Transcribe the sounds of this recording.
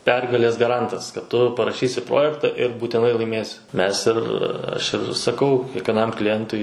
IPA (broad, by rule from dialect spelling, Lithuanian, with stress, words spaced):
ˈpʲɛrɡɐlʲeːs ɡɐˈrɐntɐs kɐt ˈtʊ pɐrɐˈʃʲiːsʲɪ ˈproːjɛktɐ ɪr buːtʲɪˈnɐɪ lˠɐɪˈmʲeːsʲɪ ˈmʲɛs ɪr ˈɐʃ ɪr sɐˈkɐʊ kʲiɛkʋʲiɛˈnɐm klʲɪˈjɛntʊɪ